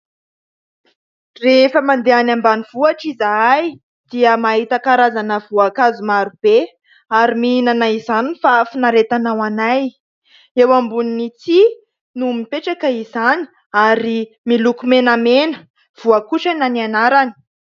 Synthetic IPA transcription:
refəmand̪eanambaniv̥uaʈ͡ʂizaaj | d̪̥iəmaɦit̪akaɾazanəvuakazumaɾub̥e | aɾimiinanaizanifafunaɾet̪anawanaj | ewambuninit͡si | numipeʈ͡ʂakəizani̥ | aɾi | milukumenamenə̥ | v̥uakuʈ͡ʂananianaɾani̥

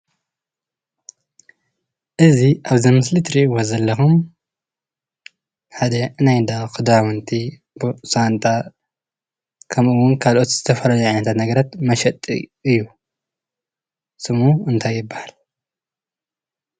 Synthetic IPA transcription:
ʔɨziʔaβzimɨslit̪ʰɨɾiʔiwozɐlːɐxum | ħad̪ɐnajnd̪akʰʼɨd̪awɨnt̪ʰi | bɨsant̪ʼa | kʰɐmʔɨwʊnkʰalʔo̞t̪z̥ɨt̪ʰɐfɐlɐluʕajnɐt̪ʰat̪nɐɡɐɾat̪mɐʃɐt̪ʼːḭʔɨjːu | sɨmuɨnt̪ʰajːɪbːahal

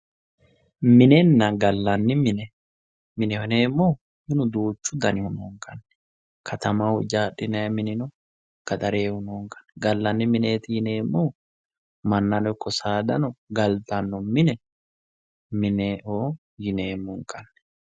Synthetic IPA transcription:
mɪnɛnːɐɡɐlːɐnːɪmɪnɛ | mɪnɛhʊneːmːɔ | mɪnʊd̪uːt͡ʃːʊd̪ɐnɪhʊnɔŋkʰʼɐnːɛ | kʰɐt̪ɐmawʊd͡ʒaːɗɪnɐjɐmɪnɪnɔ | kɐt̪ɐɾeːhʊnɔŋkʼɐ̥nːɛɡɐlːɐnːɪmɪneːt̪ɪjɪneːmːɔ | mɐnːɐnɔɪkːɔsaːd̪ɐnɔɡɐlt̪ɐnːɔmɪnɛ | mɪneːʔoː | jɪneːmɔŋkʼɐnːɛ

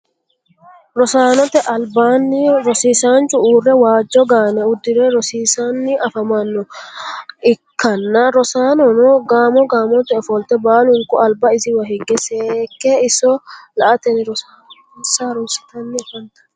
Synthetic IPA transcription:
ɾɔsaːnɔt̪ɛʔɐlbaːnːɪɾɔsiːsaːnt͡ʃʼʊuːrːɛwaːd͡ʒːɔɡaːnɛʊd̪ːɪɾɛɾɔsiːsanːɪʔɐfɐmɐnːɔ | ɪkːɐnːɐɾɔsaːnɔnɔɡaːmɔɡaːmɔt̪ɛɔfɔlt̪ɛbaːlʊŋkʊɐlbɐɪzɪwɐɦɪɡːɛseːkːɛɪsːɔlɐʔɐt̪ɛnɪɾɔsaː | nsaɾʊsɪ̥t̪ɐnːɪfɐnt̪ɐ̥

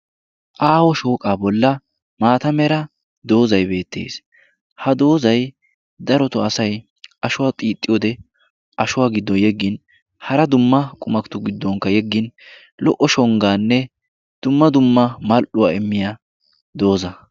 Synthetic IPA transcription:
ʔaːwɔʃo̞ːkʼaːbɔlːɐ | maːt̪ɐmɛɾɐ | d̪o̞ːzɐjbe̞ːt̪ːe̞̰ːs | hɐd̪o̞ːzɐj | d̪ɐɾɔt̪ʊɐsɐj | ʔɐʃʊwaːt̪ʼiːt̪ʼːɪjɔːd̪ɛ | ʔɐʃʊwaːɡɪd̪ːɔnjɛɡːɪn | hɐɾɐd̪ʊmːɐkʼʊmɐkt̪ʊɡɪd̪ːɔŋkːɐjɛɡːɪn | lɔ̰ʔɔʃɔŋɡaːnːɛ | d̪̥ʊmːɐd̪ʊmːɐmɐlʔʊwaːɛmːɪja | d̪o̞ːzɐ

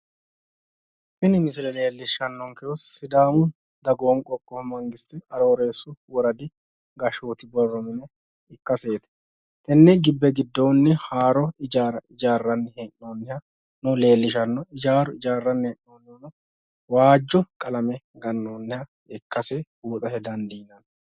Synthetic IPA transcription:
fɪnɪmɪsɪlɛle̞ːlːɪʃɐnːɔŋkɛjɔsːɪd̪aːmʊ | d̪ɐɡoːŋkʼɔkʼːɔmɐŋɡɪst̪ɪɐɾoːɾe̞ːsːʊwɔɾɐd̪ɪ | ɡɐʃoːt̪ɪbɔrːɔmɪnɛ | ɪkːɐseːt̪ɛ̥ | t̪ɛnːɛɡɪbːɛɡɪd̪ːoːnːɛhaːɾɔɪd͡ʒaːɾɐʔɪd͡ʒaːrːɐnːɛhɛʔnoːnːɛhɐ | nʊle̞ːlːɪʃɐnːɔɪd͡ʒaːɾɔɪd͡ʒaːrːɐnːɛɛʔnoːnːɛnɔ | waːd͡ʒːɔkʼɐlɐmɛɡɐnːoːnːɛhɐ | ɪkːɐsɛbuːt̪ʼɐhɛd̪ɐnd̪iːnɐn

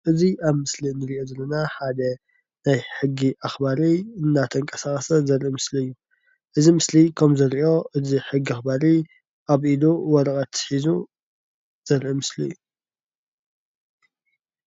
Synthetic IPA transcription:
ʔɨziaβmɨslinɨɾiʔo̞zɐlːɐnaħad̪ɐ | najħɨɡːiʔaxbaɾiɨnːat̪ʰɐŋkʼɐsakʼɐsɐzɐɾʔimɨsliɨjːu | ʔɨzimɨslikʰɐmzɐɾiʔo̞ʔɨziħɨɡːiaxbaɾi | ʔaβʔiluwɔɾɐkʼɐt̪ʰħizu | z̥ɐɾʔimɨslḭjːu

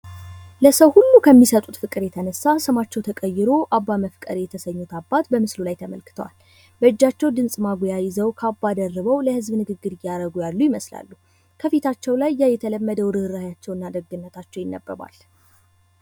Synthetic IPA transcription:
ləsəwhulːukʰəmːisət̪ʼut̪fɨkʼɨɾjɛt̪ʰənəsːasɨmat͡ʃːɛwt̪ʰəkʼəjːɪɾo̞ʔabːaməfkʼə̰ɾjɛt̪ʰəsəɲːut̪ʰabːat̪bəmɨslulajt̪ʰəmə̰lkɨ̥t̪ʰəwa̰l | bəɨd͡ʒːat͡ʃːɛwd̪ɨnsʼmaɡʷojajɪzəwkʰabːad̪ərːəβəwləhɨzbnɨɡɨɡːɨɾɨjaɾəɡujalːujɪməsla̰lːu | kʰəfet̪ʰat͡ʃːɛwlajːajɛt̪ʰələmːəd̪əwd̪ɨhɨɾajat͡ʃːɛwɨnːad̪əɡɨnːət̪ʰat͡ʃːɛwjɪnːə̰bːə̰βa̰l

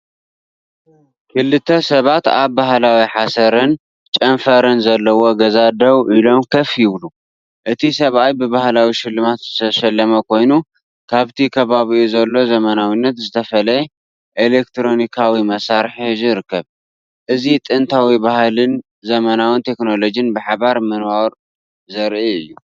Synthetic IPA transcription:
kʰɨlːɨt̪ʰːɐsɐβat̪aβbaɦlawiħasɐɾɨn | t͡ʃʼɐnfɐɾɨnzɐlːɐwo̞ɡɐzad̪ɐwʔilo̞mkʰɐfjɨβlu | ʔɨt̪ʰisɐβajbɨβahlawiʃɪlːɨmat̪zɨt̪ʰɐʃɐlːɐmɐkʰo̞jnu | kʰaβt̪ʰikʰɐβaβiʔuzɐlːo̞zɐmɐnawinːɐt̪zɨt̪ʰɐfɐlɐjɛ | ʔelek̚t̪ʰɾo̞nikʰawimɐsaɾħzɨɾɨkːɐβ | ʔɨzit̪ʼɨnt̪ʰawibahlɨn | zɐmɐnawɨnt̪ʰe̞kno̞lo̞d͡ʒinbɨħaβaɾmɨnwaɾ | zɐɾʔiɨjːu

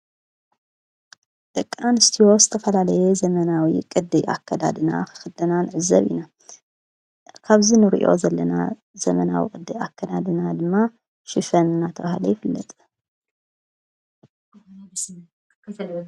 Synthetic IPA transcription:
d̪̥ɐkʼːanɨst̪ʰiwo̞zɨt̪ʰɐfɐlalɐjɛzɐmɐnawikʼɨd̪ːɨjʔa̰kʰːɐd̪a̰d̪ɨna̰xxɨd̪ɐnanɨʕɨzɐ̰βina | kʰaβzinɨɾḭʔo̞̰zɐlːɐna̰ | zɐmɐnawḭkʼɨd̪ːɨjakʰːɐd̪ad̪ɨnad̪ɨmːa | ʃifɐnɨnːat̪ʰɐβahlojɪfɨlːɐ̰t̪ʼ

